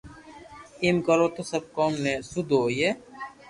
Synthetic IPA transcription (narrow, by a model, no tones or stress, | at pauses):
imɡɐlot̪osɐb̚kɔːmnesud̪oːje